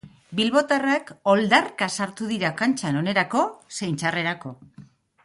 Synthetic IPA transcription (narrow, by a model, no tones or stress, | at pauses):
bilβo̞t̪arako̞ld̪arkasaɾt̪uðiɾakant͡ʃano̞ne̞ɾako̞se̞jnt͡ʃare̞ɾako̞